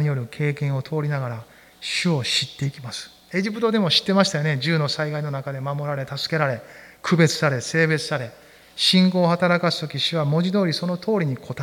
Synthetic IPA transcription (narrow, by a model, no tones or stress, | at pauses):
ɲijo̞ɾɯ̟kʰe̞ːkẽɰ̃o̞t̪ʰo̞ːɾʲinaɡaɾa | ɕɨo̞ɕit̪ːe̞ikʲimasɨ̥ | e̞ʑipɯ̟t̪o̞d̪e̞mo̞ɕi̥t̪ːe̞maɕi̥t̪ajo̞ne̞d͡ʑɨːno̞saiɡaino̞nakad̪e̞mamo̞ɾaɾe̞t̪asɨ̥ke̞ɾaɾe̞kʰɯ̟be̞t͡sɨ̥saɾe̞se̞ːbe̞t͡sɨ̥saɾe̞ | ɕĩŋko̞ːhat̪aɾakasɨ̥t̪o̞kʲiɕɨβamo̞ʑid̪o̞ːɾʲiso̞no̞t̪ʰo̞ːɾʲiɲ̟ikʰo̞t̪a